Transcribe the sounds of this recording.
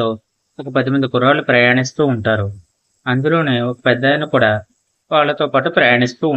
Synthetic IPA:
oː | ɔkɐpɐd̪imind̪ɐkuɾaːlupɾɐjaːɳist̪uːɳʈaːɾu | ɐnd̪ulo̞ːne̞ːokɐ̥pɛd̪ːɐnːikuːɽaː | ʋaːɭːɐt̪o̞ːpaːʈupɾɐjaːɳist̪uː

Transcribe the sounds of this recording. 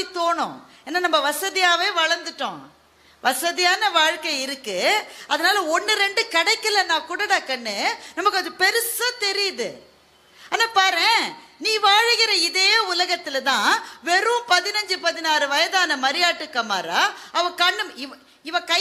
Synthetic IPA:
it̪oːɳʊ̰̃ | eːnːaːnɐmːɐʋɐsɐðɪjaːʋeːʋɐɻɐɾnd̪ɯʈːõ̰ː | ʋɐsɐðɪjaːnɐʋaːɻkɐɪɾɯkːɯɐðɐnaːlɐɔɳːɯɾɛɳɖɯkɐɽɐɪkːɐlɐnãːkʊːɽɐɽaːkɐɳːɯnɐmːɐkːɯɐðɯpɛɾɯsãt̪ɛɾɪjɐðɯ | aːnːaːpaːɾẽːnĩːʋaːɻɯɣɪɾɐɪðeːʊlɐɣɐt̪ːɪlt̪ãːʋɛɾɯpɐðɪnɐɲd͡ʒɯpɐðɪnaːɾɯʋɐjɐðaːnɐmɐɾɪjaːʈːɯkːɐma̰ːɾaːɐʋɐ̃kɐɳːɯɪ | ɪʋɐ̃kɐ

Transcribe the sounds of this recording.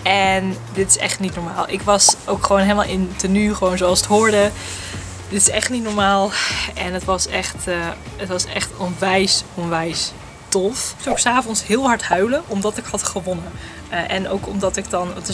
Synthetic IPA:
ɛn | dɪtɪ̥sɛ̰χtnitnɔɹma̰ːlˠʔɪ̰kʋɑsʔowkχəʋownɦeləma̰lˠʔɪntənyχəʋownzoɑlˠsətɦʊːɹdə | d̥ɪtɪsɛχtnitnɔɹmaːlˠɛnətʋɑsɛχtəətʋɑsɛ̰χtɔnʋɛjsɔnʋɛjs | tɔfawɪksaːvɔnsɦɪːlˠɦɑɹtɦœɥləʔɔmdɑtɪkɦɑtχəʋɔnə | ʔɛno̰wkɔmdɑtɪkdɑnt

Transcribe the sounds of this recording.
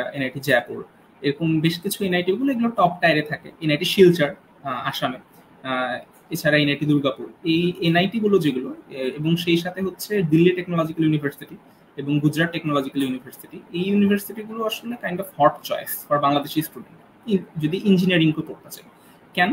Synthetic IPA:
enajʈid͡ʑɛpuɾ | eɾokombeʃkit͡ɕʰuenajʈiɡuloeɡuloʈɔp̚ʈajɾet̪ʰakḛenajʈiʃilt͡ɕaɾ | aʃame | et͡ɕʰaɾaenajʈid̪uɾɡapuɾejenajʈiɡulod͡ʑeɡuloeboŋʃejʃat̪ʰeɦotːɕʰeɖilːiʈeknolɔd͡ʑikaljunibʱaɾsiʈi | eboŋɡud͡ʑɾaʈːeknolɔd͡ʑikaljunibʱaɾsiʈiejjunibʱaɾsiʈiɡuloaʃolekajnɖɔfhɔɾʈt͡ɕɔjsfɔɾbaŋlad̪eʃisʈuɖeɳʈ | id͡ʑod̪iʔind͡ʑiniaɾiŋkokoɾt̪et͡ɕae | kɛno

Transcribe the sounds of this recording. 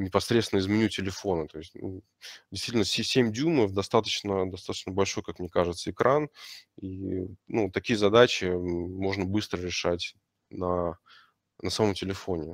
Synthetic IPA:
nʲɪpɐsɾʲet̪svɪnəɪzmʲɪnʲutʲɪlʲɪfo̞nət̪o̞ɪsʲtʲnṵ | dʲɪsʲt̪vitʲnəsʲsʲemʲdʲuməfd̪ɐst̪at̪ə̥t͡ɕnəd̪ɐst̪at̪ə̥t͡ɕnəbɐlʲʂo̞jkakmnʲekaʐɨt̪səɪkɾaninut̪ːɐkʲijəzɐd̪at͡ɕɪmo̞ʐnəbɨst̪ɾəɾʲɪʂatʲ | nɐ | nəsɐmomtʲɪlʲɪfo̞nʲɪ

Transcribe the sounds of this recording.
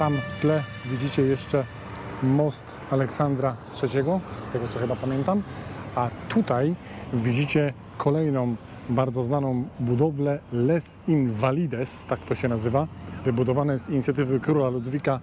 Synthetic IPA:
t̪amft̪lɛ | vʲid͡ʑit͡ɕɛjɛʂt͡ʂɛ | mɔst̪ | alɛksand̪ɾatʂɛt͡ɕɛɡɔst̪ɛɡɔt̪sɔxɘbapamʲjɛnt̪amat̪ut̪ajvʲid͡ʑit͡ɕɛ | kʰɔlɛjnɔ̃w̃ | baɾd̪zɔznanɔ̃w̃bud̪ɔvlɛlɛsinvalʲid̪ɛst̪akt̪ɔɕɛnazɘvavɘbud̪ɔvanɛjsiɲit̪sʲjat̪ɘvɘkɾulalud̪vʲika

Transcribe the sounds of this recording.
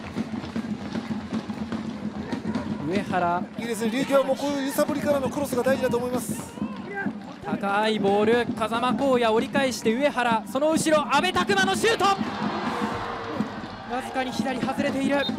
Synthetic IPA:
ɯ̟e̞haɾaiːd̪e̞s̬ɨneɾʲɨːɡʲoːβamoːkojɯsapɯ̟ɾʲikaɾanokɯɾo̞sɨɡad̪aiʑid̪at̪o̞ːmo̞imasɨ̥ | t̪akaibo̞ːɾɯ̟kazamako̞ːjao̞ɾʲikaeɕi̥t̪e̞ɯ̟e̞haɾaso̞no̞ɯ̟ɕiɾo̞ʔabe̞t̪akɯ̟mano̞ɕɨːt̪o̞ | ɡazɨ̥kaɲ̟içid̪aɾʲihazɨɾe̞t̪e̞iɾɯ̟

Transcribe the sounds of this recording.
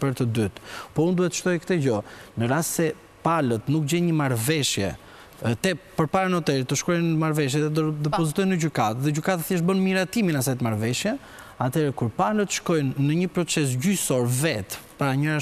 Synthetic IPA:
pəɾt̪əd̪yt̪pɔund̪uhɛt̪əʃt̪ɔjkt̪ɛd͡ʑɔnəɾast̪sɛ | palət̪nuk̚d͡ʑɛnɲəmaɾvɛʃjɛ̰ | t̪ɛpəɾpaɾanɔt̪ɛɾit̪ːəʃkɔjnəmaɾvɛʃ̬jɛðɛd̪d̪ɛpɔzit̪ɔjnəɟykat̪ðɛɟykat̪aθjɛʃ̬bənmiɾat̪iminasajt̪əmaɾvɛʃjɛ | at̪ʰɛɾɛkuɾpalət̪əʃkɔjnːəɲəpɾɔt͡sɛs̬ɟysɔɾvɛt̪paɾaɲəɾa

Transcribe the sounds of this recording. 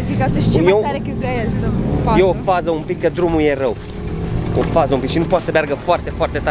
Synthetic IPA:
fikat̪uʃt̪umewt̪aɾɐkipɾɐɛsɐpaewɐfazɐũpikɐd̪ɾumuieʁew | efazɐ̃ũpiʃinupɔsɐbɛɾɣɐfɔɾt̪ɛfɔɾt̪et̪a

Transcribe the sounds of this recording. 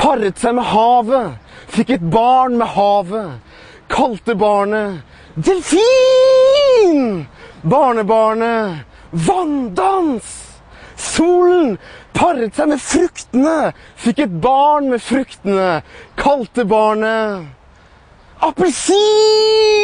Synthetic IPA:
pʰɑɾət̪sæɪmɛhɑːʋəfɪkːɛt̪̚bɑːɳmɛhɑːʋə | kʰɑlt̪əbɑːɳə | d̪ɛlfiː | nbɑːɳəbɑːɳə | ʋɑnd̪ɑns | suːln̩pʰɑɾət̪sæɪmɛfɾʏkt̪ənəfɪkːɛt̪̚bɑːɳmɛfɾʏkt̪ənəkʰɑlt̪əbɑːɳə | ɑpəlsiː

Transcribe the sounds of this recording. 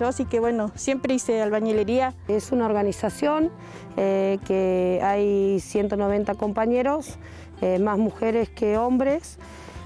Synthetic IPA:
osikeβwenosjempɾeisealβaɲeleɾiaesunao̞ɾɣanisasjo̞ŋ | ekeajsje̞nt̪ono̞β̞e̞nt̪ako̞mpaɲe̞ɾo̞s | emazmuxeɾeskeo̞mbɾes

